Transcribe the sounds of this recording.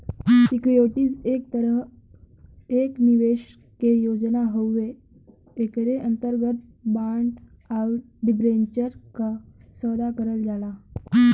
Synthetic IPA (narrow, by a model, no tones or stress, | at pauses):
sikujoʈiːd͡zeɾ | ekniʋeɕ | kejod͡znaɦəwːeː | kɾeʔənt̪əɾɡət̪̚baɳɖ | awʈ | ɖibɾeɲt͡ɕəɾkasəd̪akəɾəld͡zʱala